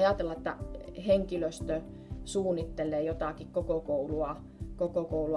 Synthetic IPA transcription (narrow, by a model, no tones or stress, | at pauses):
ɑjɑˑt̪elːɑĕt̪ːæ̰heŋkiløst̪ø | suːnːit̪ːelːˑeːjot̪ɑkikkokokouluɑ | kokokouluɑ